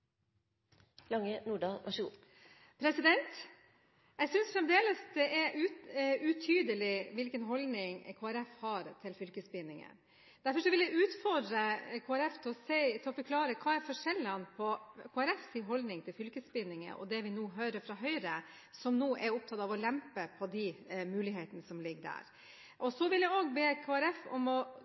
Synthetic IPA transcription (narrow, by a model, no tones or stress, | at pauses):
lɑŋːənuːɖɑːlʔɑʂṵ | pʰɾɛsɪd̪ɛnt̪ | jɛɪsʏnsfɾɛmd̪eːləsd̪ɛʔɛɾʉʉt̪ʰyːd̪əlɪʋɪlkənɦɔld̪nɪŋkʰoːæɾɛfhɑɾt̪ʰɪlfʏlkəsbɪnːɪŋə̰ | d̪̥æɾfɔɾʂɔʋɪlæʉːt̪fɔɖɾəkʰoːæɾɛft̪ʰɪlɔsɛɪt̪ʰɪɔfɔɾkʰlɑːɾəkʰɑːɛɾfɔʂɛlːɑnpʰɔkʰoːæɾɛfsɪɦɔld̪nɪŋt̪ʰɪlfʏlkəsbɪnːɪŋə̰ʔɔ̰d̪ɛʋɪnuːɦœːɾəɾfɾɑɦœʏɾə | sɔmnuːʔɛɾʊp̚t̪ʰɑt̪ɑʋɔlɛmpəpʰɔd̪ɪmʉːlɪɦeːt̪ənəsɔmlɪɡːd̪æ̰ːɾ | ʔɔsɔʋɪljæoːɡbeːkʰoːæɾɛfɔ̰mɔ